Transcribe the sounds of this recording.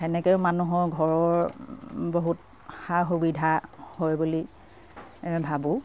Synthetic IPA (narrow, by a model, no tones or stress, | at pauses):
ɛnɛkɛʊmanuɦɔɹɡʱɔɹɔɹ | boɦut̚ | xaxubidʱahojbuli | bʱabũ